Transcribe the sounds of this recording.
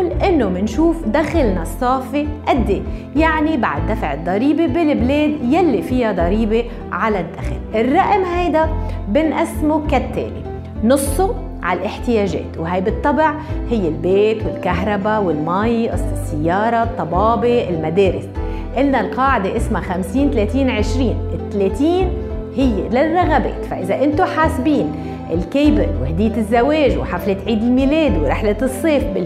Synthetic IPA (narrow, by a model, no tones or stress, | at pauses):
lʔɪnːomɪnʃuːfd̪axalnasˤːɑːfeʔad̪ːe | jaʕnibaʕd̪ːafʕɪd̪ˤːɑɾiːbebɪlɪbleːd̪jalːifɪjad̪ˤɑɾiːbe | ʕalad̪ːaxlʔɪrːɑʔmɦajd̪abɪnʔasmokat̪ːḛːnḭ | nʊsˤːo | ʕa̰lʔɪħt̪ɪjeːʒḛːt̪wɦajbɨt̪ˤːɑbʕhɪjːɪlbeːt̪wɪlkaɦɾˤɑbawɪlmajʔssːɪjːɑːɾˤɑt̪ˤːɑbɑːbeʔɪlmad̪eːɾɪs | ʔɪlnalqɑːʕɪd̪eʔɪsmaxamsiːnt̪aleːt̪iːnʕɪʃɾiːnɪt̪ːaleːt̪iːn | hɪjːelɪrːaɣabḛːt̪faʔɪzaʔɪnt̪oħaːsbiːn | ʔɪlkeːbɪɾwhd̪ɪːt̪ɪzːaweːʒwħaflɪt̪ʕiːd̪ɪlmiːleːd̪iwɾɪħlɪt̪ɨsˤːeːfbɪ